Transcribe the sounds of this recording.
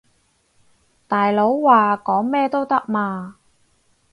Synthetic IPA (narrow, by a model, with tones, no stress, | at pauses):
t̪aː˨jlo˨˥wːaː˨˩kɔː˨˥ŋmɛː˥t̪o˥wt̪ɐ˥k̚maː˧